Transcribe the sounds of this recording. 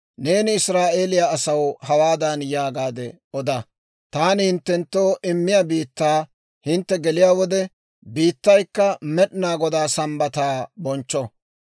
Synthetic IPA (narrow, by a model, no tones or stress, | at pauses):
ne̞ːnɪɪsɾaːʔe̞ːlɪjaːsɐwhɐwaːd̪ɐnjaːɡaːd̪ɛ | ɔd̪ɐ | t̪aːnɪhɪnt̪ːɛnt̪ːo̞ːʔɪmːɪjabiːt̪ːaː | hɪnt̪ːɛɡɛlɪjaːwɔd̪ɛ | biːt̪ːɐjkːɐmɛɗɪnaːɡɔd̪aːsɐmbɐt̪aːbɔnt͡ʃːɔ